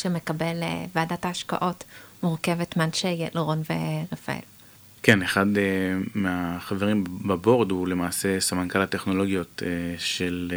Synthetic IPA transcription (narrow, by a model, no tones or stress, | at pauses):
ʃeme̞kabel̰vaadataːʃka̰ʔo̞tmuʁke̞vetmanʃejeleʁo̞nvḛʁefa̰ḛl | keneχad̪meaχaveʁimbabo̞ʁd̪ule̞maːse̞samankalat̪e̞χno̞lo̞ɡjo̞t̪eʃel